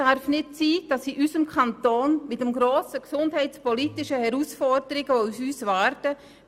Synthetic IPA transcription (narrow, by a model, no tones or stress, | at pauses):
aɾfnɪtsiːd̥ɑsiʔysəmkʰχɑnt̪oːnmɪtəmɡɾoːsəksʊndɦɛɪtt͡spɔlitɪʃəhɛɾuːsfɔrdəɾɪɡəousyːsʋaɾtə